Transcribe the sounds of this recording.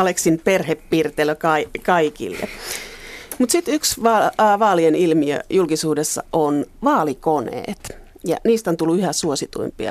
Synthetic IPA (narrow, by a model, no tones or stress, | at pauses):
ɑleksinperheppiːrt̪eløkɑikɑikḭlːḛ | mut̪sit̪yksʋɑːʋɑːlienilmiø̰julkisuːdesːɑ̰onʋɑːlikonḛːt̪ | jɑ̰niːst̪ont̪ulːuyhæsuosit̪ṵimpiɑ̰